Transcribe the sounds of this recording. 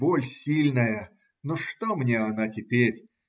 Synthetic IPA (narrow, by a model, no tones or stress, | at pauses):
bolʲsʲilʲnəjə | noʂt̪omnʲeɐnatʲɪpʲeɾʲ